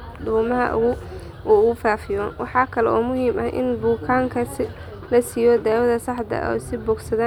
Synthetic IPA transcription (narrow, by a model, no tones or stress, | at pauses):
duːmɐɦɐ̰ʔʊ̰ɣʊ | ʔʊɣʊfaːfɪjɔːnwɑ̰ħɑːkʰɐlɛ̰ʔɔːmʊhiːmɐhʔɪ̰nbʊːkʰaːŋkʰɐsɪ | lɐsɪjɔːd̪aːwɐðɐsɑħd̪ɐ̰ʔɔ̰sɪbɔːɡsɐða